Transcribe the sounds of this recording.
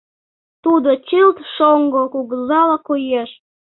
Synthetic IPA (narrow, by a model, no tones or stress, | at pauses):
t̪ud̪ot͡ɕɨlt̪ʃoŋɡokuɣəzɑlɑkojeʃ